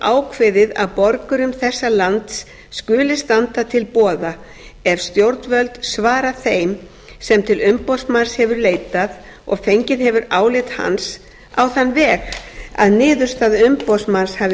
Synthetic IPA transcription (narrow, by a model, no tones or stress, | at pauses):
ʔaːwkʰvɪðɪða̰ðpɔɾkʏɾʏmθɛsːalant̪sː | kʏːlɪst̪ant̪at̪ʰɪlpɔːða | ɛvst̪jowɾt̪nvœlt̪svaːɾaθejm | sɛmt̪ʰɪlʏmpowsmanshɛvʏɾleːjt̪að | ɔ̰ɣfejɲcɪðɦɛvʏɾaːwlɪt̪ha̰ns | a̰wθanːvɛːɣa̰ðnɪːðʏ̥st̪aðʏmpowsmanshav